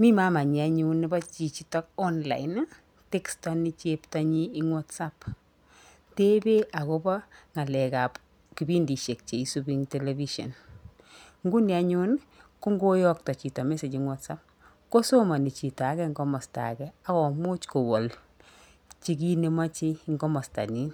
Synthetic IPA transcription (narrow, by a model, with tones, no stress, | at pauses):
mi˦ma˦ma˨ɲi˨a˨ɲunːɪ˦bɔ˦t͡ʃi˨t͡ʃi˦tɔ˦k̚ɔ˦nla̰˨ɪn˦ | te˦kstɔ˦ni˦t͡ʃepta˦ɲiː˦ŋwɔ˦tsa˦p | te˦be˦ʔa˨ko˦bɔ˦ŋa˨lɛ˨ka˨p | ki˨bi˦ndi˨ʃe˨k̚t͡ʃe˨i˦subi˦ŋtɛ˨levi˦ʃɔ̰˨n | ŋɡu˦ni˨a˦ɲʊ˦n | ku˦ŋɡo˦jɔk̚tɔ˨t͡ʃi˨tɔ˨me˦se˨t͡ʃiŋwa˦tsa˦p̚ | ko˦so˦ma˨ni˨t͡ʃi˨ta˨˦kɛ˦ŋɡɔmɔ˨sta̰˨kɛa˦kɔ˨mʊ˦t͡ʃko˨wɔ˨l | t͡ʃi˦k̬i˦ne˦ma˦t͡ʃiŋɡɔ˦mɔ˨sta̰˨ni˦n